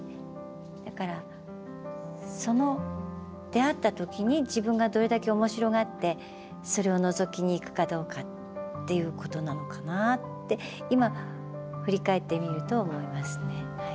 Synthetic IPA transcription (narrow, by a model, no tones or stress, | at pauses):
d̪̥akaɾa | so̞no̞ | d̪̥e̞at̪ːat̪o̞kʲiɲ̟id͡ʑibɯ̟̃ŋɡad̪o̞ɾe̞d̪ake̞o̞mo̞ɕiɾo̞ɡat̪ːe̞ | so̞ɾe̞o̞nozo̞kʲiɲ̟iːkɯ̟̥kad̪o̞ːkat̪ː | e̞jɯ̟ːko̞t̪o̞nano̞kanat̪ːe̞ | ima | ɸɯ̟ɾʲikae̞t̪ːe̞mʲiɾɯ̟t̪o̞ːmo̞imasɨ̥ne̞